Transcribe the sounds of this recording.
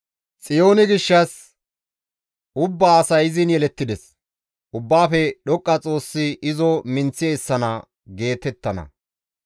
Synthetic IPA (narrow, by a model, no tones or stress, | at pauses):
t͡sʼɪjo̞ːnɪɡɪʃːɐs | ʊbːasɐjɪzɪnjɛlɛt̪ːɪd̪ɛs | ʔʊbːaːfɛɗɔkʼːɐt͡sʼo̞ːsːɪʔɪzɔmɪnt͡sːɪeːsːɐnɐ | ɡe̞ːt̪ɛt̪ːɐnɐ̰